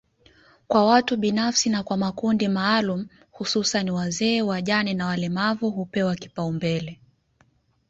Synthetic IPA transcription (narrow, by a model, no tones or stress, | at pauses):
kwawatuɓinafsinakwamakundimaːlum̩ | hususaniwazɛːwaʄanɛnawalɛmavuhupɛwaki̥paumbɛlɛ